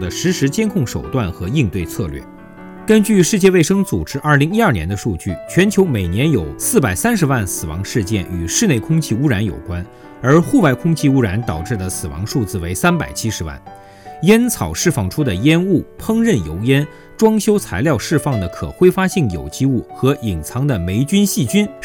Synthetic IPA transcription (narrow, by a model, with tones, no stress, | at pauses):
d̪ə˩ʂɻ̩˧˥ʂɻ̩˧˥t͡ɕjɛ˥nkʰʊ˥˩ŋʂo˨˩ʊt̪wa˥˩nxɤ˧˥i˥˧ŋt̪we˥˧ɪt͡sʰɤ̰˥˧lɥɛ̰˥˩ | kə˥nt͡ɕy˥˧ʂɻ̩˥˧t͡ɕjɛ˥˧we˥˩ɪʂɤ˥ŋt͡su˨˩ʈ͡ʂɻ̩˥ʔɐ˞˥˩li˧˥ŋi˥ɐ˞˥˩njɛ̰˧˥nd̪ə˧ʂu˥˧t͡ɕy̰˥˩t͡ɕʰɥɛ˧˥nt͡ɕʰjo˧˥ʊme˨˩ɪnjɛ˧˥njo˨˩ʊsɹ̩˥˩pa˨˩ɪsa˥nʂ̬ɻ̩˧˥wa˥˩nsɹ̩˨˩wɑ̰˧˥ŋʂɻ̩˥˧t͡ɕjɛ̰˥˩ny˨˩ʂɻ̩˥˧ne˥˩ɪkʰʊ˥ŋt͡ɕʰi˥˧u˥ɻa˧˥njo̰˨˩ʊkwa˥n | ə˞˧˥xu˥˧pa˥˧ɪkʰʊ˥ŋt͡ɕʰi˥˧u˥ɻa˧˥nt̪ɑ˨˩ʊʈ͡ʂɻ̩˥˩d̪ə˩sɹ̩˨˩wɑ̰˧˥ŋʂu˥˧t͡sɹ̩˥˩we˧˥ɪsa˥npa̰˨˩ɪt͡ɕʰi˥ʂɻ̩˧˥wa̰˥˩n | jɛ˥nt͡sʰɑ˨˩ʊʂɻ̩˥˧fɑ˥˩ŋʈ͡ʂʰu˥d̪ə˨jɛ˥nu˥˩pʰɤ˥ŋɻə˥˩njo˧˥ʊjɛ˥n | ʈ͡ʂwɑ˥ŋɕjo˥ʊt͡sʰa˧˥ɪljɑ˥˧ʊʂɻ̩˥˧fɑ˥˩ŋd̪ə˩kʰɤ̰˨˩xwe˥ɪfa˥ɕi˥˩ŋjo˨˩ʊt͡ɕi˥u˥˩xɤ˧˥ʔi˨˩ŋt͡sʰɑ˧˥ŋd̪ə˨me˧˥ɪt͡ɕy˥nɕi˥˩t͡ɕy˥n